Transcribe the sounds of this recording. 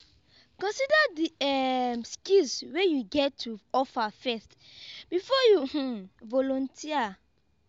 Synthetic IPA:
kɔ̃nsidadiɛmskilswejuɡɛtʰːuɔfafɛstb̥ifɔjuh̩vɔlɔ̃ntʰia

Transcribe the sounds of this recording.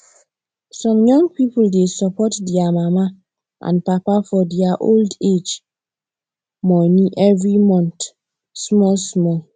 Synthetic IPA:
sɔ̃mjɔ̃ŋɡ̚pipuldesɔpɔtdiamama | ʔã̰npapafɔdiaʔolded͡ʒ | mɔnĩʔɛvɹimɔ̃nt | smɔlsmɔ

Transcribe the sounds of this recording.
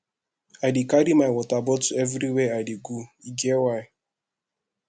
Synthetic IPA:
adikadimajwɔtabɔtuevɾiweadiɡuiɡewaɪ

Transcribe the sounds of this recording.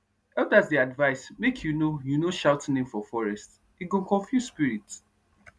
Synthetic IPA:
ɛldazdiadvaɪsmekʰjunojunoʃaʊtʰɪ̃nɪ̃ŋfɔfɔɹɛst | iɡõnkɔ̃ɱfjusspiɹits

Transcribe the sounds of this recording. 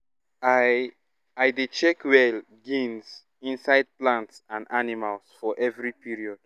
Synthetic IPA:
a | ajdet͡ʃɛkwɛl | ɡĩnz | ĩnsaɪd̚plãntsãndanimalsfɔʔɛvɹipiɹiɔd̥

